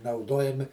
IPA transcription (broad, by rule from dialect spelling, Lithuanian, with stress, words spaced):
nɐʊˈduɔjɛmʲɪ